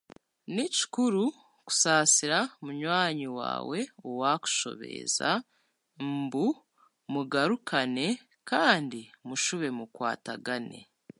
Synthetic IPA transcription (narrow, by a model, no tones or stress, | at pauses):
nici̥kuɾu | ku̥saːsiɾamuɲwaːɲiwa̰ːwe̞owaːku̥ʃo̞̰βe̞̰za̰ | mbu | muɡaɾukʰane̞ | kaːndimuʃuβe̞mukwa̰ːtaɡane̞̰